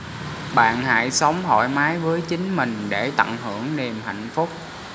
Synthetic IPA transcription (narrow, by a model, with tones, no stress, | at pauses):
ɓa̰ː˧˨nɦa̰ː˧˨jsə˨˦wŋ͡mɦɔ̰˧˨jmaː˨˦jvəː˨˦jt͡ɕï˨˦ŋ̟mï˨˩ŋ̟ɗe˧˩t̪ə̰˧˨nhɨ˧˩əŋɗe˨˩mɦa̰˧˨jŋ̟fʊ˦˥k͡p̚